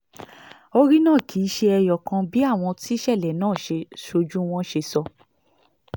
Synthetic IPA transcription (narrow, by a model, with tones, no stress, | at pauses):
o˧ɾi˦nãː˦˨kʰiː˨˦ʃe˧ɛ˧jɔ˨kã˧bi˦a˦˨w̃ɔ̃˧ti˦ʃɛ˦˨lɛ˨nãː˦˨ʃe˧ʃo˧d͡ʒũ˦w̃ɔ̃˦ʃe˧sɔ˧